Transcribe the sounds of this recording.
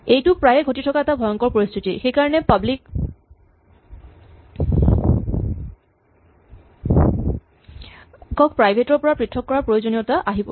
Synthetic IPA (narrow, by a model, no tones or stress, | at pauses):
ejtʊpɹajɛɡʱotitʰɔkaɛtabʱɔjɔŋkɔɹpɹoɹist̪ʰitixejkaɹɔnɛpablik | kːɔkpɹajbʱetɔɹpɔɹapɹitʰːɔkːɔɹaɹpɹojozonijɔtaʔaɦibɔ̰